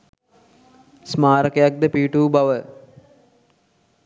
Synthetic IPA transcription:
smaːɾəkəjak̚d̪əpiːʈuːbaʋə

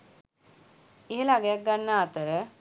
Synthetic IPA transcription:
eɦelaɡejak̚ɡanːaːt̪əɾə

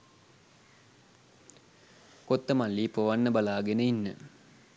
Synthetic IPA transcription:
kot̪ːəmalːiːpoʋanːəbalaːɡenəinːə̰

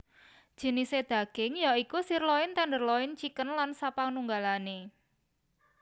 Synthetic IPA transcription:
d̥ʒ̥ə̤nised̪̥ä̤ɡ̥ɪŋjaikusirlɔɪnt̪and̪ərlɔɪnt͡ʃikənlansapaŋnuŋɡalane

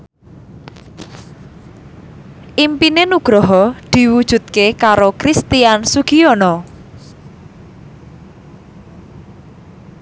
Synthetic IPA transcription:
ʔimpinenuɡ̥ɾɔɦɔd̪̥i̤wud̥ʒ̥ṳt̪̚kekaɾokɾist̪iansuɡ̥iɔnɔ

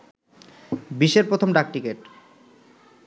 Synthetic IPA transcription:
biʃeɾpɾot̪ʰomɖak̚ʈikeʈ

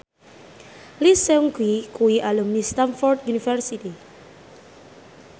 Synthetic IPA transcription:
lisɛŋkwikuiʔalumist̪anfɔrt̪junifɛrsit̪i

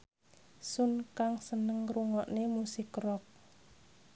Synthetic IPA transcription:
sunkaŋsənəŋruŋɔʔnemusɪkrɔk̚

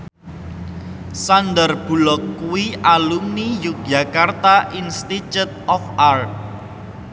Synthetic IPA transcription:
sandərb̥ṳlɔkːuwiʔalumnijuk̚d͡ʒa̤kart̪aʔinst̪it͡ʃut̪̚ɔfart̪̚

